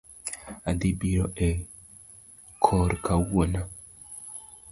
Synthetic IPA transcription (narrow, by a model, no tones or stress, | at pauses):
ad̪ibiɾɔʔɛ | kʰɔɾkʰawona